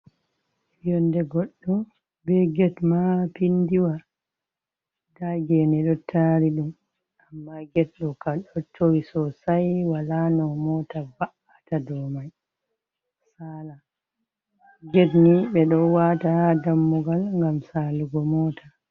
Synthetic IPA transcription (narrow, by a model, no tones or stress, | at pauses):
jɔndɛɡɔɗːɔ | bɛɡɛtmapindiwa | daɡɛnɛɗɔtʰaɾiɗum | amːaɡɛt̚ɗɔkaɗɔtʰowisɔsajwalanɔmɔtabaʔatadɔmaj | sala | ɡetniɓɛɗɔwatahdamːuɡalŋɡamsaːluɡɔmɔtʰa